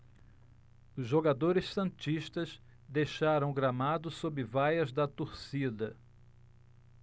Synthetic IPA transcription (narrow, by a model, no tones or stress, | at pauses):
ʊzʒoɡad̪oɾɪssɐ̃t͡ʃiʃt̪ɐz | d̪ejʃaɾɐ̃w̃ɡɾamad̪ʊsobɪvajɐzd̪ɐt̪oɾsid̪ɐ